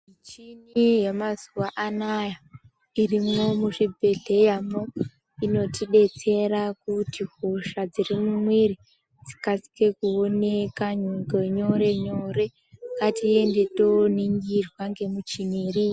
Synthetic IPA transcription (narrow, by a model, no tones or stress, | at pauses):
mit͡ʃinijemazuwaʔanaja | irimo̞muʂibʱe̞ɮe̞jamo | ino̞tiɗe̞t͡se̞ɾakutihoʃad͡zirimumwiɾi | d͡zi̥kasi̥ke̞kuone̞kaɲoŋɡeɲo̞ɾe̞ɲo̞ɾe̞ | katiende̞to̞niŋɡirwaŋɡe̞mut͡ʃiniri